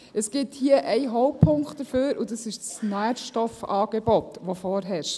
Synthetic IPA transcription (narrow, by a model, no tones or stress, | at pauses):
əsɡ̥ɪthiəʔæɪɦɔʊppʰːʊŋktd̥əføːɾud̪ɑsɪʃsnæːdʃtɔfɑːɡ̥ebɔt̪ʋofɔːɾɦæːɾʃ